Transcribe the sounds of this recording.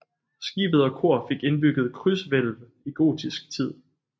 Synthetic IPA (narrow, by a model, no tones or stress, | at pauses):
sɡ̥ḭːb̥ð̞̩ˠɒ̽kʰo̝ɐfe̝ɡ̥e̝nb̥yɡ̥ð̞̩ˠkʰʁysʋel̰ʋ | iɡ̥o̝̰ːd̥isɡ̥̚t͡sʰið̰ˠ